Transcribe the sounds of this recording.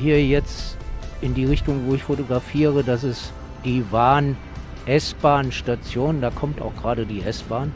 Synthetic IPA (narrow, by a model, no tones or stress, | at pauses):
hiːɐjɛt͡stʔɪndiːʁɪçtʊŋvoːɪçfotoɡʁafiːʁ̞ədasɪs | d̥iːvaːn | ʔɛsb̥aːnʃtat͡sjoːndaːkʰɔmta̰ʊxɡ̥ʁaːdədiːʔɛsb̥aːn